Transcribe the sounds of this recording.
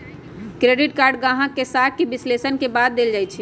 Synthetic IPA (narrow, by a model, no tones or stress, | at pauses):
kɾeːɖɪʈkaːɾɖɡãːɦãkesaːt̪̚ʰkebɪslesənkebaːd̪̚d̪eld͡ʒaːjt͡ʃʰi